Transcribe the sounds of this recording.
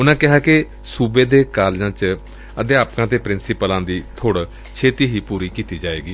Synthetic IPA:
ʊnãːkɪɦaːkɪ | suːbeːd̪eːkaːld͡ʒãːt͡ʃ | əd̪eːaːpkãːt̪eːpɾɪnsɪpəlãːd̪iːt̪ʰoːɽ | t͡ʃʰeːt̪iːɦiːpuːɾiːkiːt̪iːd͡ʒaːeːɡiː

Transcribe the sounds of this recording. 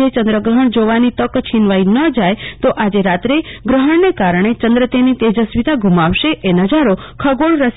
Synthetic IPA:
et͡ʃə̃nd̪ɾəɡɾəɦəɳd͡ʒoʋanit̪əkt͡ʃʰinʋainəd͡ʒajt̪oʔad͡ʒeɾat̪ɾeɡɾəɦəɳnekaɾəɳ̃et͡ʃənd̪ɾət̪enit̪ed͡ʒəsʋit̪aɡʱumaʋʃeʔenəd͡ʒaɾokʰəɡoɭɾəs

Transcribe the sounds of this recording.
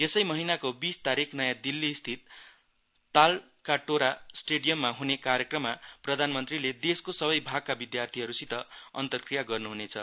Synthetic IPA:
esʌjmʌɦinakobist̪aɾikʰnʌjãd̪ilːist̪ʰit̪ː | al | kaʈoɾasʈeɽijʌmːaɦunekaɾjʌkrʌmːaprʌd̪ʱanmʌnt̪riled̪eskosʌbʌjbʱaɡ̚kabid̪jart̪ʰiɦʌɾusit̪ʌʌ̰nt̪ʌrkrijaɡʌrnuɦunet͡sʰʌ

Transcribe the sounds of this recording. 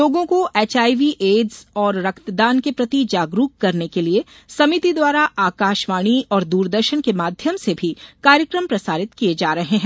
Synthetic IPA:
loːɡõkoeːt͡ʃaːiʋiʔeːɖz̥ɔːɾːɐkt̪d̪aːnkepɾɐt̪id͡ʒaːɡɾuːkːɐɾnekelie | sɐmit̪id̪waːɾaʔaːkaːʃʋaːɽ̃iɔːɾd̪uːɾd̪əɾʃənkemaːd̪ʱjəmsebʱikaːɾjəkɾəmpɾɐsaːɾɪt̪kied͡ʒaːɾɐɦeɦɛ̃ː

